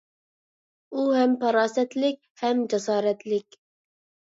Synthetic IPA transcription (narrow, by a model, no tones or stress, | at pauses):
uhɛmpʰɑɾɑːsɛt̪lɪk̚ʲhɛmd͡ʒɛsɑːɾɛt̪ʰlɪkʲ